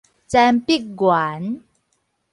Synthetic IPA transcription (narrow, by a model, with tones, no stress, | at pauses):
t͡sa˧mpi˦˥k̚ɡwa˨˩˦n